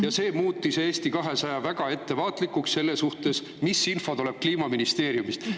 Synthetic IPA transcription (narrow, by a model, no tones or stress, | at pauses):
jɑse̞ːmuːt̪ːˑise̞ːst̪ikɑɦe̞sɑjɑvæɡ̥ɑe̞t̪ːe̞vɑːt̪ˑlikːˑuksse̞lːe̞suht̪e̞s | misːinfo̞t̪ole̞b̥̚kliːmɑminist̪e̞ːɾjumist̪